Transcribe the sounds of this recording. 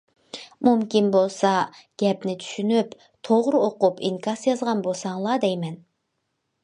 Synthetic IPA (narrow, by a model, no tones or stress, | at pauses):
mumkʲinbolˠsɑɡ̥ʲɛpnɪt̪ʰy̥ʃynyp | t̪ʰoʁɾoqupʰiŋkʰɑsjɑzʁɑnbolˠsɑŋlˠɑd̪ɛjmɛn